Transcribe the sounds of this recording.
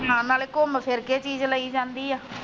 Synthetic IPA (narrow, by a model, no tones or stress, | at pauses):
ɦãːnaːleːkʊmpʰɪɾkeːt͡ʃiːzləiːd͡ʒãːnd̪iːɛː